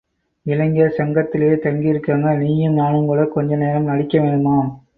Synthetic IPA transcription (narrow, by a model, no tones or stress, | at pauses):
ɪlɐŋɡɐsɐŋɡɐt̪ːɪljeːt̪ɐŋɡijɪɾɯkːɪɾaːŋɡɐniːjɐnaːjɐŋɡɐɭɐkɔɲd͡ʒɐneːɾɐmɐɽɪkʲːɐʋeːɖɯmaː